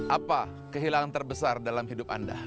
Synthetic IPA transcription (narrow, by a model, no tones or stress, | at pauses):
ʔapa | kəɦilaŋant̪ərbəsardalamhidʊpa̰nda̰